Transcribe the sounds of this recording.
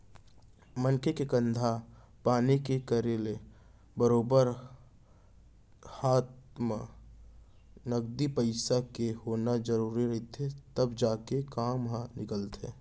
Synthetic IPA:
mə̃nkʰekekə̃nd̪ʱa | paːnikekəɾeːle | bəɾoːbəɾ | haːt̪mə | nɐɡ̚d̪ipəɪsakehoːnad͡ʒəɾuːɾiɾɐɦit̪ɛt̪ɐbd͡ʒaːkekaːmɦanɪkəlt̪ɦɛ̰ː

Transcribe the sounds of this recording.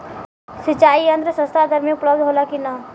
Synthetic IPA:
sit͡ʃaːiənd̪ɾəsə̃st̪ʰad̪ʱəɾmĩʊpləb̚d̪ɦoːlakina

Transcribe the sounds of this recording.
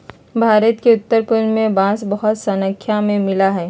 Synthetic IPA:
bʱaːɾət̪keʊt̪ːəɾpʊlmẽbãːsbɐɦʊt̪sɐnə̃kʰːjamẽmɪlaɦɛː

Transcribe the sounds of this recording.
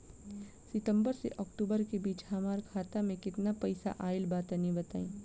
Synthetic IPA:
sɪʈ̪ə̃mbəɾsḛʔɔːkʈuːbəɾkebiːt͡ʃhamaːɾkʰaːt̪amẽkɪt̪napɐɪsa̰ʔaːɪlbaːt̪nibɐt̪a̰ːḭ̃ː

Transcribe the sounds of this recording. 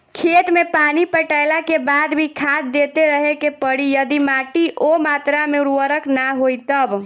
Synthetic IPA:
kʰet̪mepanipəʈaɪlakebad̪bʱikʰad̪̚ːet̪eɾəɦekepəɽijəd̪imaʈiʔomat̪ɾameuɾuwəɾəknaɦojt̪əb

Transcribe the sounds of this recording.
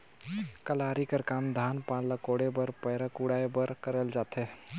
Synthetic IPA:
kəlaːɾikəɾkaːmd̪ʱaːnpãnləkoɽebəɾpəjɾakuɽaebəɾkəɾəld͡ʒaːt̪ʰe

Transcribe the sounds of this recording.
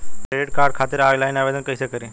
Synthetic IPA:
kɾeɖeʈkaɾɖ̚kʰat̪əɾajlajnaʋed̪ənkəjsekəɾẽ

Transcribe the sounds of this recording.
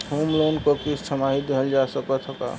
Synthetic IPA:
homlonkokisʈʰəmaɦid̪eɦəld͡ʒasəkət̪ʰəka̰

